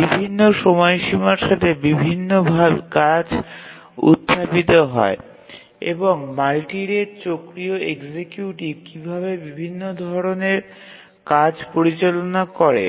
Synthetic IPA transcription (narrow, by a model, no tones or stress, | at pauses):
bibʱinːoʃɔmɔeʃimaɾʃat̪ʰebibʱinːobʱakad͡ʑ | ṵt̪ʰːapit̪oɦɔ̰e | ḛboŋmalʈiɾeɾt͡ɕokɾioekd͡ʑekjuʈikibʱaβebibʱinːod̪ʱɔɾoneɾ | kad͡ʑpoɾit͡ɕolonakɔɾḛ